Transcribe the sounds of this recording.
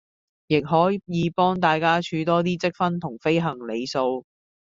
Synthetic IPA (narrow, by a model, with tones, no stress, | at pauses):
jɪ˨k̚ɦɔː˨˥jiː˨˧pɔː˥ŋt̪aː˨jkaː˥t͡ʃʰyː˨˧t̪ɔː˥t̪̬iː˥t͡sɪ˥k̚fɐ˥nt̪ʰʊ˨˩ŋfe˥jɦɐ˨˩ŋle˨˧jso˧w